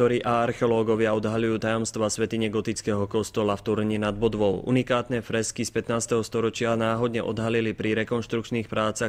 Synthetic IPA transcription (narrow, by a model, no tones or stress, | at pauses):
ɔɾiʔaaɾxɛɔlɔːɡɔʋɪaɔd̪ɦaʎujuːt̪ajɔmst̪ʋaːsʋɛt̪iɲɛɡɔt̪it͡skɛɦɔkɔst̪ɔlaft̪uɾɲinad̪̚bɔd̪ʋɔʊʔṵnikaːt̪nɛfɾɛskispɛt̪naːst̪ɛɦɔst̪ɔɾɔt͡ʃɪanaːɦɔd̪ɲɛʔɔd̪ɦalilipɾiɾɛkɔnʃt̪ɾukt͡ʃniːxpɾaːt͡sa